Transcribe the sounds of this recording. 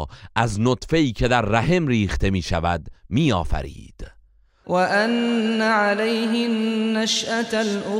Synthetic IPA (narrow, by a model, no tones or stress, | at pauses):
ʔæznot̪fe̞iːcʰe̞d̪æɾːæhe̞mriːxt̪ʰe̞miːʃævæd̪miːɒːfæ̰ɾḭːd̪̥ | waʔanːaʕalajɦɪːaʃʔalʔʊ